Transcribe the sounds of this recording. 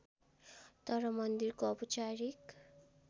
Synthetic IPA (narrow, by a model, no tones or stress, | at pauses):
t̪ʌɾʌmʌnd̪irkoʌput͡ʃaɾik